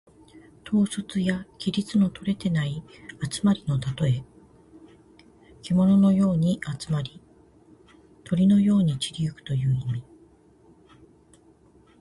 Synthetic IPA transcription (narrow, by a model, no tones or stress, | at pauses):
t̪ʰo̞ːsot͡sɨjakʲiɾʲit͡sɨno̞t̪ʰo̞ɾe̞t̪e̞naiat͡sɨ̥maɾʲino̞t̪at̪o̞e̞ | kʲimo̞no̞no̞jo̞ːɲ̟iʔat͡sɨ̥maɾʲi | t̪ʰo̞ɾʲino̞jo̞ːɲ̟it͡ɕiɾʲiɯkɯ̟̥t̪o̞jɯ̟ːimʲi